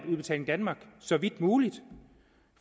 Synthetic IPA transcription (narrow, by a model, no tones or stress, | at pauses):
uðˠbe̝t͡sʰɛ̰ːleŋd̥ænmɑ̈ːɡ̥sɒ̽ʋid̥muːlid̥ | f